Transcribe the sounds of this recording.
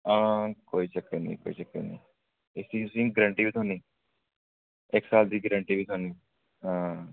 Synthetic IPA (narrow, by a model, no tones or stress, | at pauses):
ãːkoːiʃɐkenḭ̃ːko̰ːiʃəkːḛnɐ̰̃ː | ɪsĩʊsĩːɡɾə̃ɳʈibit̪ʰoːniː | eksaːld̪iːɡɾə̃ɳʈibʱit̪ʰɦoːniː | ɦãː